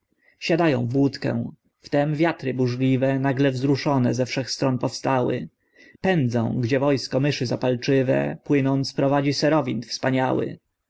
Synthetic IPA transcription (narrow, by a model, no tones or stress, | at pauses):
ɕad̪ajɔ̰̃w̃vwut̪kɛ̰̃ | ft̪ɛmvʲjat̪ɾɘbuʐlʲivɛnaɡlɛvzɾuʂɔnɛzɛfʂɛxst̪ɾɔnpɔfst̪awɘ̰ | pɛnd̪zɔ̰̃w̃ɡd͡ʑɛvɔjskɔmɘʂɘzapalt͡ʂɘvɛ̰pwɘnɔnt̪spɾɔvad͡ʑisɛɾɔvʲint̪fspaɲawɘ̰